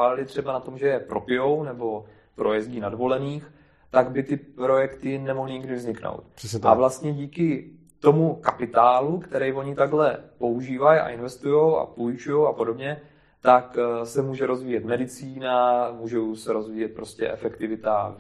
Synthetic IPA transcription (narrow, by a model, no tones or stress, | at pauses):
aːlalɪt̪r̝̥ɛbanat̪o̞mʒɛjɛpɾo̞pɪjo̞wnɛbo̞ | pɾo̞jɛzɟiːnadvo̞lɛniːx | t̪aɡbɪt̪ɪpɾo̞jɛkt̪ɪnɛmoɦlɪɲɪɡdɪvzɲɪkno̰wt̪̚savlast̪ɲɛɟiːkɪ | t̪o̞mukapɪt̪aːlukt̪ɛɾɛjvo̞ɲɪt̪aɡɦlɛpo̞uʒiːvaja̰ʔɪnvɛst̪ujo̞wa̰pojɪt͡ʃujowapodo̞bɲɛ | t̪aksɛmuːʒɛɾo̞zviːjɛt̪mɛdɪt͡siːnamuːʒowsɛɾo̞zviːjɛt̪̚pɾo̞scɛ̰ʔɛ̰fɛkt̪ɪvɪt̪a